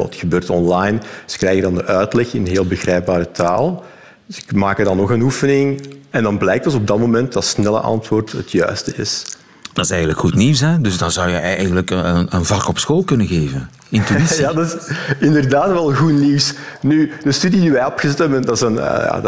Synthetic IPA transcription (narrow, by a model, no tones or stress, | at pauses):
ɑ̰txəbøːrtɔnlɑjnzə̥krɛjɣədɑndəʔœɥtlɛxɪnənɦeːlˠbəɣrɛjp̚baːɾətʰa̰ːlˠ | ɪkmaːkədɑnːɔxənufənɪŋɛndɑnblɛjk̚tdɔsɔb̚dɑtmomɛntdɑtsnɛlə̰ʔɑ̰ntʋoːrtɦətʰjœ̰ɥstəɪ̰s | d̥ɑsɛjɣən̩dləkxutniwsɛdɵzdɑnzɑwjəɛjɣəndləkənənvɑkɔpsxoːlˠkɵnəɣeːvən | ɪntyijadɑsɪndərdaːtʋɛlˠəɣuniws | nyd̥əstydidiʋɛjɔpxəzɛtɛməndɑtsənə̰ja̰ː